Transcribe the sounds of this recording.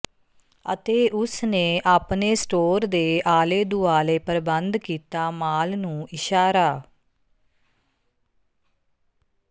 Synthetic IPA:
ə̰t̪eːʔʊsneːʔaːpneːsʈoːɾd̪eːʔaːleːd̪uaːleːpəɾbənd̪kiːt̪aːmaːlnũːɪʃaːɾaː

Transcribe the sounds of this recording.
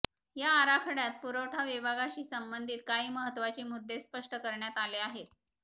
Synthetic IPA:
jaːɾakʰəɽjat̪̚puɾəʈʰaʋibʱaɡaɕiːsəmbənd̪ʱiːt̪̚kaɦiːməɦət̪ːʋat͡ɕiːmud̪ʱːespəʂʈəkəɾɳjat̪aleaɦe

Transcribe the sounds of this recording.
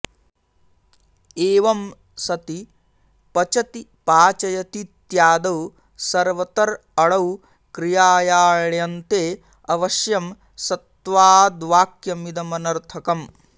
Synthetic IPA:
eːʋɐm | sɐt̪i | pɐt͡ʃɐt̪ipaːt͡ʃɐjɐt̪it̪jaːd̪ɐw | sɐɾʋɐt̪ɐɾ | ɐɽɐw | kɾijaːjaːɭjɐnt̪eː | ɐʋɐʃjɐm | sɐt̪ʋaːd̪ʋaːkjɐmid̪ɐmɐnɐɾt̪ʰɐkɐm

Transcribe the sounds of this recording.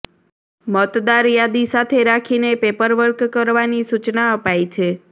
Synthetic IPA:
mət̪d̪aɾjad̪isat̪ʰeɾakʰinepepəɾʋəɾkkəɾʋanisut͡ʃnaəpajt͡ʃʰe

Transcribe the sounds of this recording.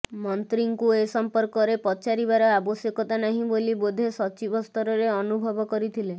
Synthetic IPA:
mɔnt̪ɾiŋkuesɔmpɔɾkɔɾepɔt͡ʃaɾibaɾɔabɔsjekɔt̪anaɦĩbolibod̪ʱesɔt͡ʃibɔst̪ɔɾɔɾeɔnubʱɔbɔkɔɾit̪ʰile

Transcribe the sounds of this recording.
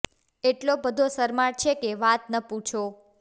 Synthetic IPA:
eʈlobəd̪ʱosəɾmaɽt͡ʃʰekeʋat̪nəpũt͡ʃʰo

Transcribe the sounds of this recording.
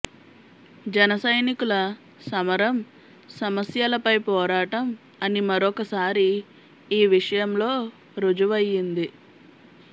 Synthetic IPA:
d͡ʒɛnɐsɐjnikulɐ | sɐmɐɾɐm | sɐmɐsjalɐpɐjpɔːɾaːʈɐm | ɐnimɐɾɔkɐsaːɾiː | ʋiʂɐjɐmlo̞ː | ɾud͡ʒuʋɐjːind̪i

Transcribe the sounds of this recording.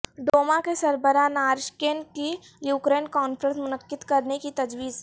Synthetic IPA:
ɖoːmakesɐɾbəɾanaːɾʃkeːnki | juːkɾeːnkɔːnfʰɾə̃nsmʊnəqːɪd̪kɐɾnekit̪ɐd͡ʒwiːz

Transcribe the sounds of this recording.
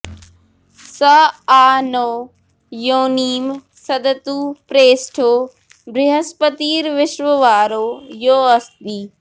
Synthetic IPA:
sɐaːnoː | joːniːm | sɐd̪ət̪uːpɾeːsʈʰoː | bɾɪɦəspət̪iːɾʋɪʃʋəʋaːɾoːjoːɐst̪d̪iː

